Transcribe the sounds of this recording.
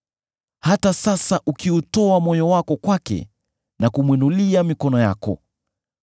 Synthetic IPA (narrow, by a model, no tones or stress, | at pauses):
hatasasaʔukiutɔamɔjɔwakɔkwakɛ̰ | nakumwinuliamikɔnɔjakɔ̰